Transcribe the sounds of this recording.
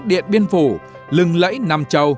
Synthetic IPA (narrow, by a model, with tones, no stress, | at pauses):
t̚ɗḭ˧˨ənɓi˧ənfu˧˩ | lɨ˨˩ŋlə̰˧˥jna˨˩mt͡ɕə˨˩w